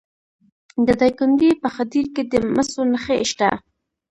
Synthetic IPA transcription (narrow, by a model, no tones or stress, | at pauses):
d̪əd̪ɑjkʊnd̪ipəxat̪iɾked̪əməsonəxeʃʈ̪a̰